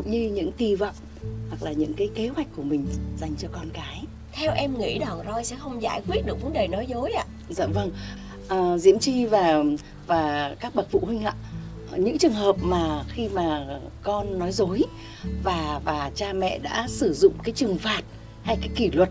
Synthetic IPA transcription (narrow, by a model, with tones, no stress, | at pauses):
ɲɨ˧ɲɨ̰˧˥ŋt̪i˧˩və̰˧˨wŋ͡m | hwa˨˩k̚laː˨˩ɲɨ̰˧˥ŋkaː˨˦jke˨˦hwa˨˩jk̟̚kːu˧˩əmï˨˩ŋ̟za˨˩jŋ̟t͡ɕɔ˧kɔ˧nkaː˨˦j | t̪ʰɛ˧wʔɛ˧mŋḭ˧˥ɗa˨˩wzɔ˧jsɛ̰˧˥xə˧wŋ͡mzaː˧˩jkwi˦˥ət̚ɗɨ˨˩əkvə˨˦nɗəː˨˩jnɔ˨˦jzo˨˦jʔa̰ː˧˨ | zə̰˧˨və˧ŋ | ʔəː˨˩zḭ˧˥əmt͡ɕi˧vaː˨˩ | vaː˨˩kaː˦˥k̚ɓə˨˩t̚fṵ˧˨hi˧ŋ̟ʔa̰ː˧˨ | ɲɨ̰˧˥ŋt͡ɕɨ˨˩əŋɦəː˨˩p̚maː˨˩xi˧maː˨˩kɔ˧nːɔ˨˦jzo˨˦j | vaː˨˩vaː˨˩t͡ɕaː˧mɛ̰˧˨ɗa̰ː˧˥sɨ˧˩zʊ̰˧˨ŋ͡mkaː˨˦jt͡ɕɨ˨˩əŋfaː˨˩t̚ | ha˧jkaː˨˦jki˧˩lwə˨˩t̚